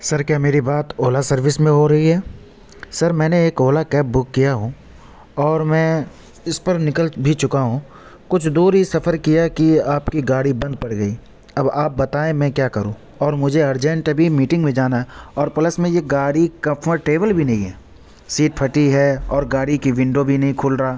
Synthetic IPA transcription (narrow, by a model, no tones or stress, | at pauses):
sɐɾkjaːmeːɾibaːt̪oːlasɐɾʋɪsmẽɦoɾɐɦiɦɛː | sɐɾmɛ̃ːneeːkoːlakɛːp̚bʊkːijaɦũ | ɔːɾmɛ̃ː | ɪspɐɾnɪkəlbʱit͡ʃʊkaɦũ | kʊt͡ʃʰd̪oːɾɦisɐfəɾkijakiaːpkiɡaːɽibɐ̃nd̪̚pɐɽɡɐi | ɐbaːp̚bɐt̪aːẽmɛ̃kjaːkɐɾũː | ɔːɾmʊd͡ʒʱeɐɾd͡ʒɛ̃ɳʈɐbʱimiːʈɪ̃ŋɡmẽd͡ʒaːnaɛɔːɾpɐləsmẽjeɡaːɽikɐ̃fʰəʈeːʋəlbʱinɐɦĩɦɛː | siːʈ̚pʰɐʈiɦɛːɔːɾɡaːɽikiʋɪ̃ɳɖobʱinɐɦĩkʰʊːlɾaaː